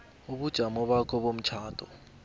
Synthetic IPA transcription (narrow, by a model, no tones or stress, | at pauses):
uɓud̥ʒ̥ʱamɔɓakʰɔɓom̩t͡ʃʰaːtʰʼɔ